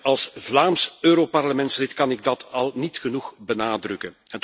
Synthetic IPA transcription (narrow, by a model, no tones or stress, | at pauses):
ɑlˠsvlaːmsøːɾopɑrləmɛntslɪtkɑnɪɡ̚dɑtʰɑlˠnitxənuxbənaːdrʏkənɛnt